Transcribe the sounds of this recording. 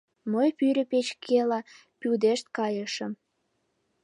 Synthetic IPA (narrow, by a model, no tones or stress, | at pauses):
məjpyɾʲə̆pet͡ɕkʰelɑ | pyd̪eʃt̪kɑjəʃə̆m